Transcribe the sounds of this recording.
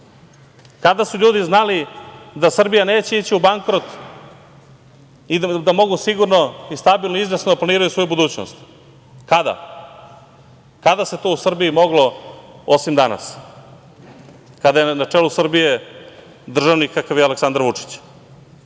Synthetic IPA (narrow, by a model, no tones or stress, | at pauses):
kad̪asuʎuːd̪iznalid̪asr̩bijane̞ːt͡ɕe̞it͡ɕiubaŋkɾo̞t̪ | id̪amo̞ɡusiɡuɾno̞ist̪abilnoizʋesnod̪aplˠaniːɾajusʋo̞jubud̪uːt͡ɕno̰st̪ | kad̪a̰ | kad̪ase̞t̪o̞ːusr̩biimo̞ɡlo̞osimd̪ana̰s | kad̪ajenat͡ʂeːlusr̩bije̞ | d̪r̩ʒaʋnikakaʋjaleksand̪ɾaʋut͡ʂi̥t͡ɕ